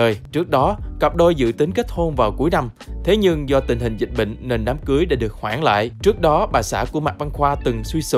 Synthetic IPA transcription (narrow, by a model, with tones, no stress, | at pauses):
əː˨˩jt͡ɕɨ˦˥ək̚ɗɔ˨˦kə˨˩p̚ɗo˧jzɨ̰˧˨t̪ï˨˦ŋke˦˥t̚ho˧nvaː˨˩wku˧˩əjna˧m | t̪ʰe˨˦ɲɨ˧ŋzɔ˧t̪ï̟˨˩ɦï˨˩ŋ̟zï˨˩t̟̚ɓə̰˧˨ŋ̟ne˧˩nɗaː˨˦mkɨ˨˦əjɗa̰˧˩ɗɨ˨˩ək̚hwaː˧˩ŋla̰ː˧˨jt͡ɕɨ˦˥ək̚ɗɔ˨˦ɓaː˨˩jsa̰ː˧˩ku˧˩əma˨˩va˧nxwaː˧t̪ɨ˨˩ŋswi˧sɨ̰˧˨